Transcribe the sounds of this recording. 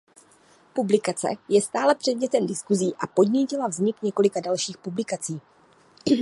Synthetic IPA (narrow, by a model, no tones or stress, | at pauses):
publɪkat͡sɛ̰jɛst̪aːlɛpr̝̥ɛdɲɛt̪ɛmdɪskuziːʔapo̞dɲicɪlavzɲɪkɲɛko̞lɪkadalʃiːxpublɪkat͡siː